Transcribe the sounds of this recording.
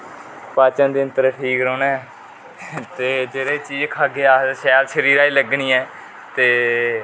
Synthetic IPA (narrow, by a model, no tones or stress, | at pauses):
paːt͡ʃə̃nd̪iːənt̪əɾʈʰiːkɾoːneː | t̪eːd͡ʒeːɾeːt͡ʃiːd͡ʒkʰaːɡeːaːʃɛːlʃəɾiːɾaːiːləɡniːɛː | t̪eː